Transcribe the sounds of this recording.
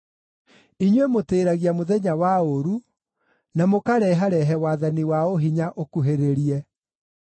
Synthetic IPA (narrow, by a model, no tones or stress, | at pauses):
iɲwemoteːɾaɣiamoðɛɲawaoɾu | namokaɾɛɦaɾɛɦɛwaːðaniwaoɦiɲaʔokuɦeɾeɾiɛ